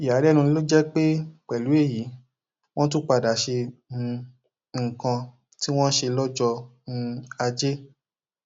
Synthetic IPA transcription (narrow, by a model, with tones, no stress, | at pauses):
i˨ja˨˦dɛ˦nũ˧ni˦lo˦d͡ʒɛ˦k͡pe˦k͡pɛ˨lu˨˦e˦˨ji˨˦ | w̃ɔ̃˦tu˦k͡pa˧˨da˨ʃe˧nũ˧ | ŋ̩˨kã˧ | ti˦w̃ɔ̃˦ʃe˧lɔ˦d͡ʒɔ˧nũ˧a˧d͡ʒe˦